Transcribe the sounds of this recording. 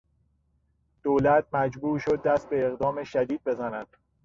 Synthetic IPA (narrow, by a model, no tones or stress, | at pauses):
d̪̥oːlæt̪̚ʰmæd͡ʒbuːɾʃo̞d̪̚ːæst̪̚be̞ːɣd̪ɒːme̞ʃæd̪iːd̪̚be̞zænæd̪̥̚